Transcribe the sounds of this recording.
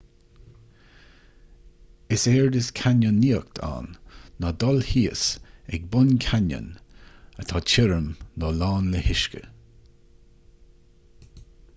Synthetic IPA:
ɪsɛːɹd̪ɪskʰanənːiːək̚t̪ʰa̰ːnːɔd̪ɔlhiːəsɛɡ̚bʊnkʰanə̰nət̪ʰɑːt͡ʃʰɪɾəmnɔlaːnləhɪʃkə̰

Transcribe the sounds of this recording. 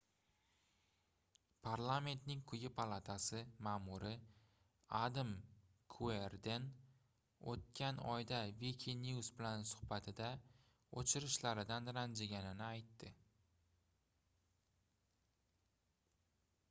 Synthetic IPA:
pʰaɾlˠame̞nt̪nɪŋkʰʊjɪpʰalˠat̪ʰasɪmaːmʊɾɪ | ad̪am | kʰueɾd̪e̞n | ot̪̚kʲʰanɒ̰jd̪avikʲʰeniusbɪlansʊ̥hbat̪ʰɪd̪a | ot͡ʃʰɪɾɪʃlaɾɪd̪anɾand͡ʒaɡʲanɪnɪajt̪ːɪ

